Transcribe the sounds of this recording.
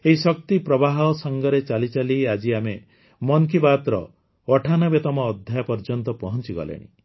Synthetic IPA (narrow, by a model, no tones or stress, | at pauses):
eɦisɔk̚t̪ipɾɔbaɦɔsɔŋɡɔɾet͡ʃalit͡ʃaliad͡ʒiame | mɔnkibat̪ɾɔ̰ | ɔʈʰanɔbet̪ɔmɔːd̪ʱjajapɔɾd͡ʒɔnt̪ɔpɔɦɔnt͡ʃiɡɔ̰lḛɽ̃ḭ